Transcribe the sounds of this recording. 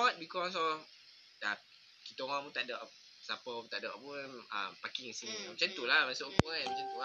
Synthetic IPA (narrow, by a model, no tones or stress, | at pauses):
ɔt̪̚bikɔs̬ɔ | da | kit̪oŋɔmut̪aʔdəʔ | sapəpũt̪aʔdəʔpunə̰mpakiŋisinimat͡ʃant̪ulamasoʔkuaamat͡ʃant̪ua